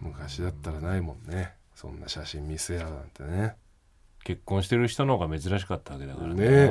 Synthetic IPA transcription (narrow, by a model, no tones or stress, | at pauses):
mɯ̟kaɕid̪at̪ːaɾanaimõ̞nːe | sõ̞̰nːa̰ɕaɕĩmʲmʲise̞jaã̰nt̪ene | ke̞kːõ̞ɰ̃ɕi̥t̪e̞ɾɯ̟çi̥t̪onoɡame̞zɨɾaɕ̬i̥kat̪ːaβake̞d̪a̰kaɾane